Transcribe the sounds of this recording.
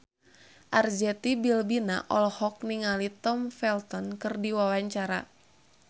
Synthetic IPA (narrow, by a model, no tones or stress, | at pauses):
ʔard͡ʒɛt̪ibilbina̰ʔɔlhɔk̚niŋalit̪ɔmfɛlt̪ɔnkɨrdiwawaɲt͡ʃaɾa̰